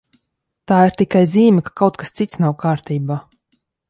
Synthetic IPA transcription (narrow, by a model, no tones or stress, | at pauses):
t̪aːiɾt̪ikajziːmʲɛkḁkawt̪kḁst̪sit̪snawkaːɾt̪iːbaː